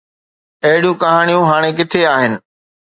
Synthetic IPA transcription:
ɐɦɪɽijũkɐɦaːɽ̃ijũɦaːɽ̃ek̬ɪt̪ʰeaːɦɪnɪ̆

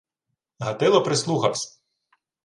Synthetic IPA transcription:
ɦɐt̪ɪlˠɔpɾɪslˠuxɐ̰wsʲɐ̥

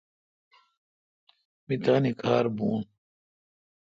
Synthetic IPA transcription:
mit̪aːnikʰaːɾbuːn

